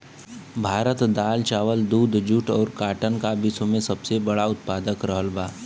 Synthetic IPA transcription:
bʱaːɾət̪d̪aːlt͡ʃaːʋəld̪uːd̪d͡ʒʊʈɔːɾkaːʈənkabɪsomẽsɐbsebɐɽaʊt̪paːd̪əkɾəɦəlbaː

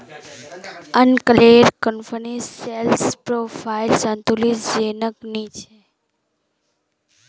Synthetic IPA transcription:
ənkəleɾkənfəniselspɾofailsãnt̪olisd͡ʒenəknit͡ʃʰe

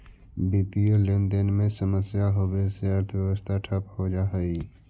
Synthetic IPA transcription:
bit̪ijolẽnd̪ənmẽsəməsjaɦobeseəɾt̪ʰʋjɛʋəst̪ʰaʈʰəphod͡ʒaɦəi

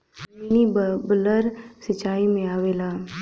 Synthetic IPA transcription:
menibələɾsət͡ʃːaːimẽaːʋeːlaː

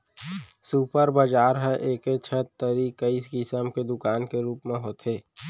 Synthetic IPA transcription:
suːpəɾbəd͡ʒaːɾɦəʔeːket͡ʃʰət̪ːəɾikəiskisəmked̪ʊkaːnkeɾuːpmẽɦoːt̪ʰeː

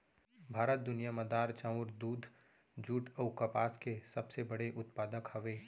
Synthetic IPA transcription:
bʱaːɾət̪̚d̪ʊnijaməd̪aːɾt͡ʃãʊɾd̪uːd̪ʱ | d͡ʒuːʈəʊkɐpaːskesɐbsebɐɽeʔʊt̪paːd̪əkhɐʋeː

